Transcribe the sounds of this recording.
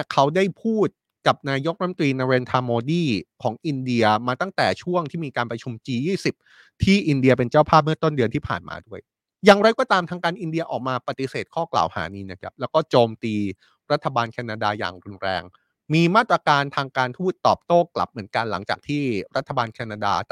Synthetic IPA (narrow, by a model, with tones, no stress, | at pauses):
kʰa˦˥wdaː˥˩jpʰuː˥˩t̪̚ | ka˨˩p̚naː˧jo˦˥k̚ɾa˦˥m˧t̪ɾiː˧na˧ɾeː˧nt̪ʰaː˧moː˧diː˥˩kʰɔː˩˦ŋʔi˧ndi˧ɐmaː˧t̪a˥˩ŋt̪ɛː˨˩t͡ɕʰu˥˩əŋt̪ʰiː˥˩miː˧kaː˧npɾa˧t͡ɕʰu˧mt͡ɕiː˧jiː˥˩si˨˩p̚ | t̪ʰiː˥˩ʔi˧ndi˧ɐp̬e˧nt͡ɕaː˥˩wpʰaː˥˩p̚mɯ˥˩ɐt̪o˥˩ndɯ˧ənt̪ʰiː˥˩pʰa̰ː˨˩nmʔa̰ː˧du˥˩əj | jaː˨˩ŋɾa˧jkɔ˥˩t̪aː˧mt̪ʰaː˧ŋkaː˧nʔi˧ndi˧ɐʔɔ̰ː˨˩k̚maː˧pa˨˩t̪i˨˦seː˨˩t̪̚kʰɔː˥˩kla̰ː˨˩wha̰ː˩˦niː˧˥na˦˥˩kʰa̰˦˥p̚lɛː˦˥wkɔː˥˩t͡ɕoː˧mt̪iː˧ | ɾa˦˥t̪ʰːa˧baː˧nkʰaː˧naː˧daː˧ja̰ː˨˩ŋɾu˧nɾɛ̰ː˧ŋ | miː˧maː˥˩t̪ɾa˧kaː˧nt̪ʰaː˧ŋkaː˧nt̪ʰuː˥˩t̪ːɔː˨˩p̚t̪oː˥˩kla̰˨˩p̚mɯ˩˦ənka˧nla˩˦ŋt͡ɕa̰ː˨˩k̚t̪ʰiː˥˩ɾa˦˥t̪ʰːa˧baː˧nkʰɛː˧naː˧da̰ː˧